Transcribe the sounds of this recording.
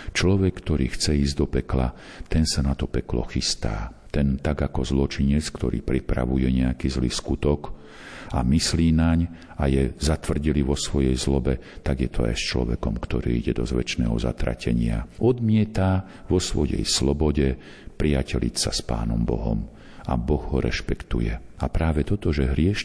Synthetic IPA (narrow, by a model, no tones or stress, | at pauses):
t͡ʃlɔʋɛkːt̪ɔɾiːxt͡sɛiːzɟd̪ɔpɛkla | t̪ɛnsanat̪ɔpɛklɔ̰xist̪aː | t̪ɛnt̪aɡakɔzlɔt͡ʃiɲɛt͡skt̪ɔ̰ɾḭːpɾipɾa̰ʋujɛɲɛakizliːskut̪ɔk | amisliːnaɲ | ajɛzat̪ʋr̩ɟiliʋɔsʋɔjɛjzlɔbɛt̪aɡjɛt̪ʰɔa̰jst͡ʃlɔ̰ʋɛ̰kɔmkt̪ɔɾiːiɟɛd̪ɔzʋɛt͡ʃnɛ̰ːɦɔza̰t̪ɾa̰cʰɛɲɪa̰ɔd̪mɪɛt̪a | ʋɔsʋɔjɛ̰jslɔbɔɟɛ | pɾiacɛlḭt͡saspa̰ːnɔmbɔ̰ɦɔ̰m | a̰bɔɣɦɔɾɛ̰ʃpɛkt̪ṵjɛapɾaːʋɛt̪ɔt̪ɔʒɛɦɾɪɛʃ